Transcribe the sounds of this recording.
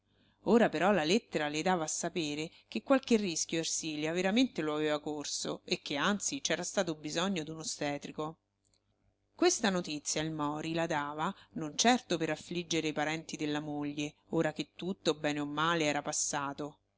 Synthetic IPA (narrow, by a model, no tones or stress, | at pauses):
oːɾapeɾɔlalet̪ːeɾaled̪aːvaːsːapeːɾe | kekːwalkerːiskʲjoersiːljaveɾament̪eloaveːvakorso̰ekːeant̪sit͡ʃɛːɾast̪aːt̪oubizɔɲːod̪unost̪ɛːt̪ɾiko | kwest̪anot̪it̪sːjailmɔːɾilad̪aːvanont͡ʃɛrt̪opeɾafːlid͡ʒːeɾeipaɾɛnt̪id̪elːamoʎːeoːɾak̟et̪ːut̪ːobɛːneomːaːleɛːɾapasːaːt̪o